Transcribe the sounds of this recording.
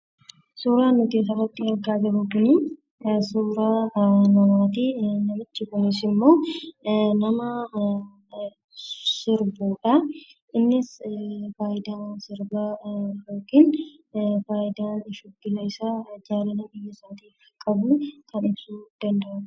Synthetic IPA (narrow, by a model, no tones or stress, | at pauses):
suːɾaːnːʊk̪eːs̬ɐrɐt̪ːɪɐɾɡaːd͡ʒɐbʊkʊnɪ | suːɾaːnɐmaːt̪inɐmɪt͡ʃːɪkʊnɪsɪmːo̞ː | nɐmɐ | sɪɾbuːᶑɐʔɪnːɪsfaːʔɪd̪aːnsɪɾbɐjoːkɪn | faːɪd̪aːnɪʃɔɡːɪlɐɪsaːd͡ʒaːɾɐnɐbɪjːɐɪsaːt̪iːfkʼɐbuːkʰɐnɪbsuːd̪̥ɐnd̪ɐʔɐ